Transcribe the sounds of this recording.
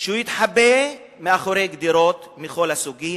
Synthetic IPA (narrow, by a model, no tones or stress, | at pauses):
ʃeujit̪ħabe | meaχoɾejɡd̪iɾo̞t̪miχo̞lhasuɡi